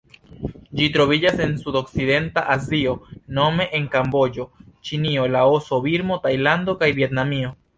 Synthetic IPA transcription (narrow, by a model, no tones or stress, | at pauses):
d͡ʒitɾo̞vid͡ʒase̞nsudo̞kside̞ntaʔazio̞no̞me̞ʔeŋkambo̞d͡ʒo̞t͡ʃinio̞laoso̞biɾmo̞tajlando̞kajvie̞tnamio̞